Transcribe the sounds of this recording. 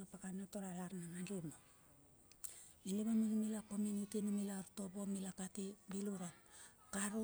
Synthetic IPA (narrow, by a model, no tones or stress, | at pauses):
apakanatoɾalaɾnanandumo | iniβaminumilakominutinumilaɾtobomilakatibiluɾan | kaɾu